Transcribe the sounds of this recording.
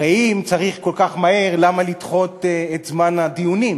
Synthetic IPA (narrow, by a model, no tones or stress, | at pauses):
aimt͡saʁiχko̞lkaχmahe̞ʁlamalitχo̞t̪et̪zmanad̪iunim